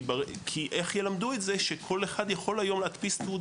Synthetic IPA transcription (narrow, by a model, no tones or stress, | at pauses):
bakʰiʔe̞χjelamd̪uetze̞ʃekʰo̞leχad̪jaχo̞lajo̞mleat̪pistu